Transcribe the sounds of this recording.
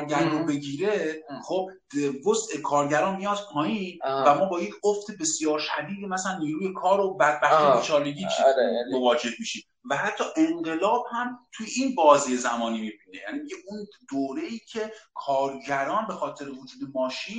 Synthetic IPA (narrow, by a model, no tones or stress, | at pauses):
ɾɡæɾɾobe̞ɟiːɾe̞χob̥̚ | vosʔekʰɒːɾɟæɾɒːnmijɒd̪̥pʰɒːjiːnvæmɒːbɒːjecʰoft̪e̞be̞sjɒːɾʃæd̪iːd̪emæsælænːiːɾuːje̞kʰɒːɾobæd̪̚bæxt̪ijet͡ʃʰɒːleɡiːmovɒːd͡ʒe̞hmiːʃi | væhæt̪ʰːɒːʔeŋɢe̞lɒːb̥hæmt̪ʰujeiːnbɒːzijezæmɒːniːmiːbiːne̞̰jæ̰niːmiɟeʔund̪oːɾe̞iːcʰe̞kʰɒːɾɟæɾɒːnbe̞xɒːt̪ʰe̞ɾevod͡ʒuːd̪e̞mɒːʃiːn